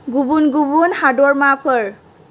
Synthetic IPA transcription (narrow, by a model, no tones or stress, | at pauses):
ɡubunɡubunhadɔɹmapʰəɹ